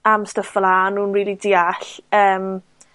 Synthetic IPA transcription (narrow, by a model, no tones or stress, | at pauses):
amstəfvlaːnuːnriːlˠidiːaɬəːm